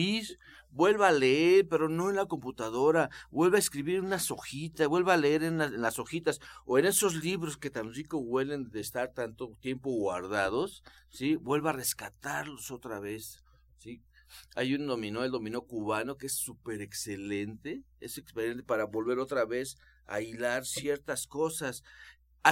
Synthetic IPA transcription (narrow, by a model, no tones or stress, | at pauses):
is | bwe̞lβaːleeɾpe̞ɾo̞no̞enlako̞mput̪aðo̞ɾabwe̞lβaeskɾiβiɾunaso̞xit̪aβwe̞lβaaleeɾenaenlaso̞xit̪asoene̞so̞zliβɾo̞ske̞t̪ansikoɣwe̞le̞nd̪eːst̪aɾt̪ant̪ot̪je̞mpoɣwa̰ɾðaðo̞ssibwe̞lβare̞skat̪aɾlo̞so̞t̪ɾaβe̞s | si | a̰jund̪o̞mĩnoeld̪o̞mĩno̞kuβano̞keesupe̞ɾekse̞lent̪e̞ḛsekspelent̪epaɾaβo̞lβe̞ɾo̞t̪ɾaβe̞s | a̰jlaɾsje̞ɾt̪asko̞sas